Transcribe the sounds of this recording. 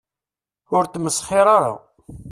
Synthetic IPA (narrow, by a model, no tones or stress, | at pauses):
ʊɾt̪məsχɪɾˤaɾa̰